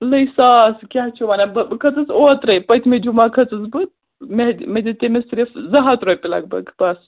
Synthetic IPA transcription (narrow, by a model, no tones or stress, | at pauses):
lɐjsaskʲaɦt͡ʃʰumanabkʰɐt͡sɨt͡sot̪ɾɐjpɐt̪ʰmed͡ʒumakʰɐt͡sɨzbɨ | meɦ̪med̪it̪emesiɾifzɐɦɐt̪ɾojpilɐ̰ɡ̚bɐ̰ɡbɐs